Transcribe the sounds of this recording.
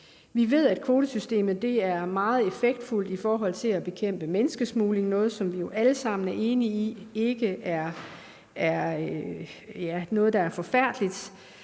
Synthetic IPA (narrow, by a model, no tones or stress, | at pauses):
ʋiʋe̝ð̞̰ˠæd̥kʰʋo̝ːd̥əsysd̥e̝̰ːmð̩ˠd̥e̝æɐmɑ̈ːð̞̩ˠe̝feɡ̥̚d̥ful̰d̥ifɒːɦɒ̽l̰t͡sʰe̝læb̥e̝kʰem̰b̥əmenəsɡ̥əsmuːle̝ŋnɔ̽ːð̞̩ˠsɒ̽mʋijo̝ʔæləsɑ̈m̰n̩æɐʔe̝ːniie̝ɡ̥əʔæɐ | æɐ | jænɔ̽ːð̞̩ˠd̥ɑ̈æɐfɒ̽fæɐ̰d̥əlid̥